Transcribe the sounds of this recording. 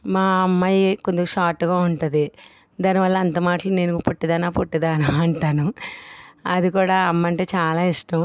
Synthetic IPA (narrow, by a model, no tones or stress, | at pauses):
maːɐmːaːjikond̪ukuʃaːʈːuɡaːuɳʈud̪i | d̪aːniʋɐlːɐːnt̪ɐmaːʈɐlune̞ːnupoʈːid̪ɐnaːpoʈːid̪aːnuɐɳʈaːnu | ɐd̪ikuːɽaːɐmːɐɳʈe̞ːt͡ʃaːlaːiʂʈɐm